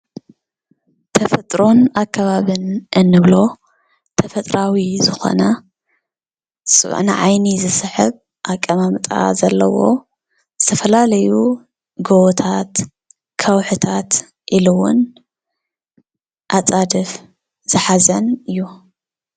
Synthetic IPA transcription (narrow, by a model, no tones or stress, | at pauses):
t̪ʰɐfɐt̪ʼɾo̞nakʰːɐβaβɨnʔɨnːɨβlo̞ | t̪ʰɐfɐt̪ʼɾawizɨxo̞̰nɐ | sʼɨ̰β̰ʕnɨ̰ʕajnizɨsɨħɨβ | ʔakʼːɐmamt̪ʼa̰zɐlːɐwo̞̰ | zɨt̪ʰɐfɐlalɐju | ɡowt̪ʰat̪ | kʰɐwħɨt̪ʰat̪ | ʔilɨwʊ̰n | ʔat͡sʼad̪ɨf | zɨħazɐnɨjːu